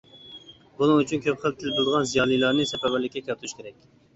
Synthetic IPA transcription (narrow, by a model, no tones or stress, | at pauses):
bunɨŋyt͡ʃʰynkʲʰøpχəlˠt̪ʰɪlblˠd̪əʁɑnzijɑːlˠilˠɑɾnɨsɛpɛbɪɾlɪkʲːɛkʲʰæt̪ʰuʃkʲeɾɛk̚ʲ